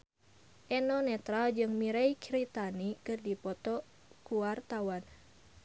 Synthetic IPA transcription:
ʔɛnɔnɛt̪ɾad͡ʒɨŋmiɾɛikɾit̪anikɨrdipɔt̪ɔ | kuwart̪awan

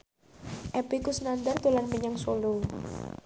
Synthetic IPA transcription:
ʔɛpikusnand̪art̪ulanməɲaŋsolo

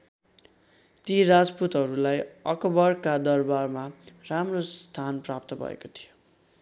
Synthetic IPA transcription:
t̪iɾad͡zput̪ɦʌɾulajʌkʌbʌrkad̪ʌrbarmaramrost̪ʰanprap̚t̪ʌbʱʌ̰ḛkot̪ʰi̥jo

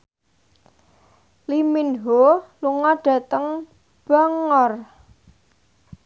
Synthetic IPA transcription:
liminɦoluŋaɖ̥ä̤t̪əŋ | b̥aŋɔr

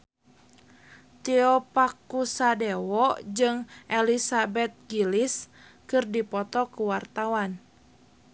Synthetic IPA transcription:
t̪iɔpakusadɛwɔd͡ʒɨŋʔelisabɛt̪̚ɡilis | kɨrdipɔt̪ɔkuwart̪awan

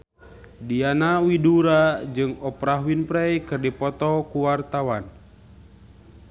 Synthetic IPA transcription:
dianawiduɾad͡ʒɨŋɔpɾaɦuinpɾɛjkɨrdipɔt̪ɔkuwart̪awan

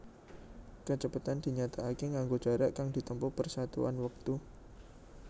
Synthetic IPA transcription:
kət͡ʃəpat̪and̪̥i̤ɲat̪aːkiŋaŋɡo̥ʒ̥a̤ɾaʔkaŋd̪̥i̤t̪əmpupərsat̪ṵa̰nwək̚t̪u

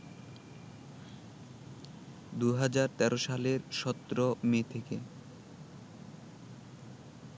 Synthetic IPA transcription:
d̪uɦad͡ʑaɾt̪ɛɾʔoʃaleɾʃɔt̪ːɾomet̪ʰeke

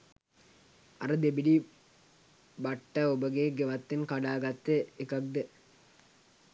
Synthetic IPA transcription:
ɐ̰ɾɐd̪ebiɖi | bɐʈːɐobəɡeːɡeʋɐt̪ːinkaɖaːɡɐt̪ːeekɐk̚d̪e

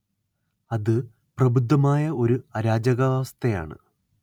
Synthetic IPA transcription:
ɐðɨ | prɐbud̪ʱːɐmaːjɐo̞ɾuɐɾaːd͡ʑɐɣɐʋaːst̪ʰɐja̰ːɳɨ̰

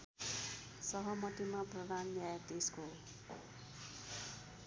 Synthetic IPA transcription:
sʌɦʌmʌt̪imaprʌd̪anljaet̪esko

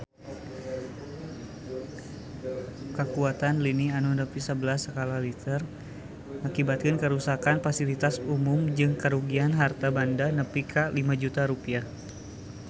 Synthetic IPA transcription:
kəkuat̪anlinianudəpisəbəlasəkalalit̪ər | akibat̪̚kənkəɾusakanfasilit̪asumʊmd͡ʒɨŋkəɾuɡianɦart̪abandanəpikʰalimad͡ʒut̪aɾupiah

